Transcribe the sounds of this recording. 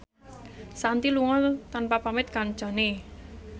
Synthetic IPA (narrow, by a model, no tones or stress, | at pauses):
sant̪iluŋɔt̪anpapamɪt̪̚kand͡ʒɔ̤ne